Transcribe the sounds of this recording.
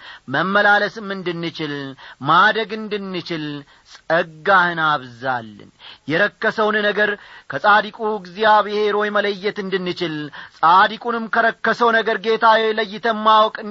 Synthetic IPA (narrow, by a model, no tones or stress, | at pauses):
məmːəlaləsɨmːɨnd̪ɨnːɨt͡ʃɪlmad̪əɡɨnd̪ɨnːɨt͡ʃɪl | sʼəɡːahɨnaβza̰lːɨ̰njɛɾəkːəsəwnnəɡəɾkʰəsʼad̪ikʼuɡzijaβɨhe̞ɾo̞jmələjːɛt̪ɨnd̪ɨnːɨt͡ʃɪlsʼad̪ikʼunɨmkʰəɾəkːəsəwnəɡəɾɡe̞t̪ʰaweləjːɪt̪ʰəmːawkʼɨ